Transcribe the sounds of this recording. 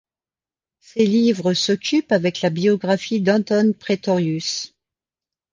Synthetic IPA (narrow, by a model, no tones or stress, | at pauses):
selivʁəsɔkʲypavɛklabiɔɡʁafid̪ɑ̃t̪ɔnpχet̪ɔʁjys